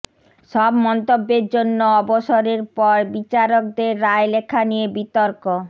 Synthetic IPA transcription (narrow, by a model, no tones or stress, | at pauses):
ʃɔbmɔnt̪obːeɾd͡ʑonːoɔboʃoɾeɾpɔɾbit͡ɕaɾok̚d̪eɾːaelekʰanijebit̪ɔɾko